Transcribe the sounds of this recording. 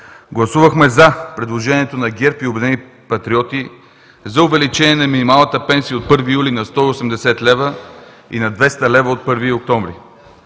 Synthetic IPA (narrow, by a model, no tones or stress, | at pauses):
ɡlˠɐsuvəxmɛzɐpɾɛd̪lˠoʒɛniɛt̪onɐɡʲɛɾpiobɛd̪ɛni | pɐt̪ɾiɔt̪i | zɐʊvɛlit͡ʃɛniɛnɐminimalˠnət̪əpɛnsijəot̪̚pɤɾvijulinɐst̪ɔiosɛmd̪ɛsɛt̪lɛvə | ḭnɐd̪vɛst̪əlɛvəot̪̚pɤɾviok̚t̪ɔmvɾḭ